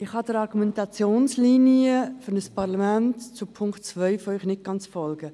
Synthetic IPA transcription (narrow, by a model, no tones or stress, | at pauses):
ɪχhɑdəɾɑɾɡumɛntɑt͡sjoːnsliːniəfʏɾnəspʰɑʁlamæntt͡supʰʊŋktt͡svœʏfoœʏχnɪt̚ɡ̥ɑnt͡sfɔlɡə